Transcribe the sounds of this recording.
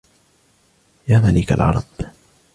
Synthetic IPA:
jaːmalɪka̰lʕɑ̰ɾˤɑb̥

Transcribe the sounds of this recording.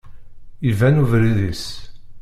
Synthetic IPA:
ivænuvɾiðis

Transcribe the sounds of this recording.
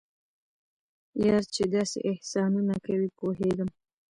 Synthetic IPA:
jɑɾt͡ʃed̪ɑsḛʔɪhsɑnunakawipoɦeɡəm

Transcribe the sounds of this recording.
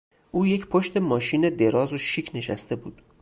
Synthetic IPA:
ʔuːje̞cʰpʰoʃt̪e̞mɒːʃiːne̞d̪e̞ɾɒːzoʃiːcʰne̞ʃæst̪e̞bṵːd̪̥

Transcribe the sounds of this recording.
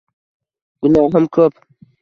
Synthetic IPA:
ɡ̥unaːɦəmkʰəp

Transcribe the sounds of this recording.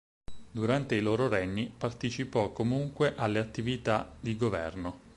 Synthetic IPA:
d̪uɾant̪eiloːɾoɾɛɲːipart̪et͡ʃipɔkːomuŋkweʔalːeat̪ːivit̪ad̪iɡovɛ̰rno

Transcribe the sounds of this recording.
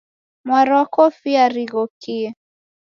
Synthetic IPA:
mwaɾɔakɔfiaɾiɣɔkiɛ

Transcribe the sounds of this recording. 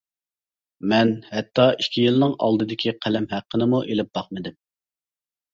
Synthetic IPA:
mɛnhɛt̪ʰːɑikʲʰijilnɨŋɑ̰lˠd̪ɨd̪ɪkʲʰiqʰælɛmɦæqʰːənɨmuʔelɪp̚b̥ɑqmɨd̪ɪm

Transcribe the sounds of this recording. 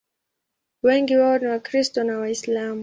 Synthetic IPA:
wɛŋɡiwaɔniwakɾistɔnawaislamu

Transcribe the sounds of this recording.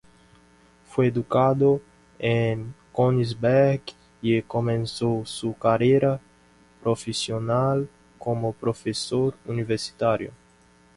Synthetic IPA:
feed̪ukad̪o | ẽŋkonizbɛɾɡ | ekomẽnsowsukaɾeɾa | pɾofesional | komopɾofesoɾuniveɾsi̥t̪aɾjo̰

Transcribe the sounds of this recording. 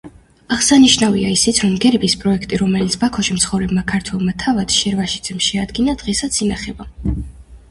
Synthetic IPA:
aʁsaniʃnaviaisit̪sʰɾɔmɡɛɾbispʼɾɔɛkʰt̪ʼiɾɔmɛlit̪sʰbakʰɔʃimt̪sχɔvɾɛbmakʰaɾt̪ʰwɛlˠmat̪ʰavad̪̥ʃɛɾvaʃid̪z̥ɛmʃɛad̪ɡinad̪̥ʁɛsat̪sʰinaχɛba

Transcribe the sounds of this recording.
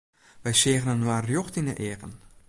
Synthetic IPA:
ʋɛjseːɣənənːwarjoxtinə̰ʔeːkən

